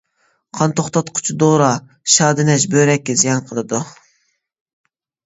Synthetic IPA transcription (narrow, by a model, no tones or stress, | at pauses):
qʰɑnt̪ʰoχt̪ɑt̪qʰʊ̥t͡ʃʰud̪oɾɑ | ʃɑːd̪ɪnɛʃ̬bøɾɛkʲːɪzijɑnqʰəlˠɨd̪u